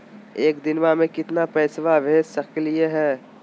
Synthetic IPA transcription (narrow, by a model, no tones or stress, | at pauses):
eːkd̪ɪnʋamẽkɪt̪napɛːsʋabʱeːd͡ʒsɐkelieɦɛː